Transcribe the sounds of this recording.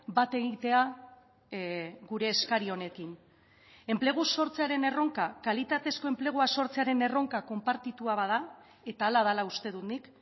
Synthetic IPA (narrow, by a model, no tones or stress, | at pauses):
bat̪e̞ɣit̪e̞a | ɡuɾe̞ːskaɾio̞ne̞kiŋ | e̞mple̞ɣ̞uso̞ɾt͡se̞aɾe̞ne̞ro̞ŋkakalit̪at̪e̞sko̞e̞mple̞ɣ̞uaso̞ɾt͡se̞aɾe̞ne̞ro̞ŋkako̞mpaɾt̪it̪uaβað̞a | e̞t̪aːlaðalaust̪e̞ð̞unik